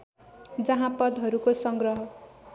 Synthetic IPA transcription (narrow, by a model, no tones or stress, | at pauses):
d͡zʌɦãpʌd̪ɦʌɾukosʌŋɡrʌɦʌ